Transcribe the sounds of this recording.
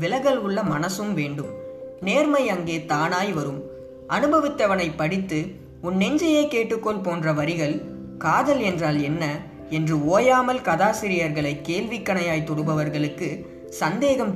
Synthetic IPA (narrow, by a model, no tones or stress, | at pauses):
ʋɪlɐɣɐɭʊɭːɐmɐnɐsɯmʋeːɳɖɯmneːɾmɐɪɐŋɡeːt̪aːnaːjʋɐɾɯm | ʔɐnɯbɐʋɪt̪ːɐʋɐnɐɪpːɐɽɪt̪ːɯ | ʊnːɛɲd͡ʒɐjeːkeːʈːɯkːɔɭpoːndrɐʋɐɾɪɣɐɭ | kaːðɐlɛndraːlɛnːɐ | ɛndrɯoːjaːmɐlkɐðaːsɪɾɪjɐɾɣɐɭɐɪkːeːlʋɪkːɐɳɐjaːjt̪ɔɽɯbɐʋɐɾɣɐɭɯkːɯ | sɐnd̪eːɣɐm